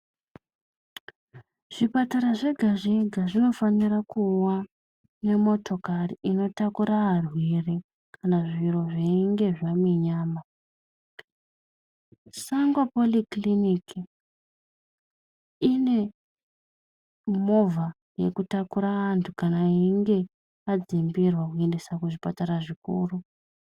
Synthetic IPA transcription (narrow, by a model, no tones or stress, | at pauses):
ʐ̥ipataɾaʐe̞ɡʱaʐeɡʱaʐino̞fanirakuwa | ne̞mo̞tʰo̞kariino̞takuɾaarwiri | kʰanaʐiro̞ʐeiŋɡe̞ʐamiɲaːma | saŋɡwapolikliniki | ine̞ | mo̞va | je̞kutakuɾaʋantʰukanaiŋɡe̞ | ad͡zimbirwakue̞ndesakuʐipataɾaʐikṵːru